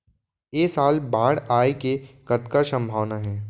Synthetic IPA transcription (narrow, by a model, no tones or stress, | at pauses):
jeːsaːlbãːɽaːekekɐt̪kasə̃mbʱaːʋnaɦɛ̃ː